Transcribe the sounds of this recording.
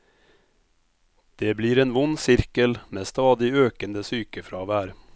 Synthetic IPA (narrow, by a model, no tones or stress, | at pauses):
d̪̥eːbliːɾeːnʋʊnːsɪɾkəlmeːst̪ɑːd̪ɪøːkənd̪əsyːkəfɾɑːʋæːɾ